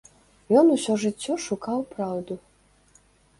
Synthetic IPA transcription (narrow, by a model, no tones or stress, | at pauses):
jɔnusʲɔʐɨt͡sʲːɔʂukawpɾawd̪u